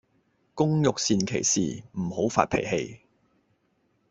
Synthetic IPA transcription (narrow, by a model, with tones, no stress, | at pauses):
kʊ˥ŋjʊ˨k̚siː˨˧nkʰe˨˩jsḭː˨˩m̩˨˩ho˨˥wfa̰ː˧t̚pʰḛ˨˩jhe˧j